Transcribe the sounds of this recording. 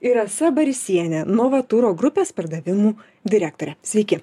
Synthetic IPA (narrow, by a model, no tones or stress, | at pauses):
ɪɾɐsɐbɐɾʲɪsʲiɛnʲɛnoʋɐt̪ʊɾoːɡɾʊpʲeːspɐɾd̪ɐʋʲɪmuː | d̪ʲɪɾʲæːk̚t̪oːɾʲɛsʲʋʲɛɪkʲɪ